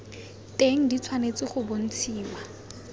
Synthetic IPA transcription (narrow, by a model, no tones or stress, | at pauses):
tʼeŋ̩dit͡sʰwanet͡sʼɪχʊbʊn̩t͡sʰiːma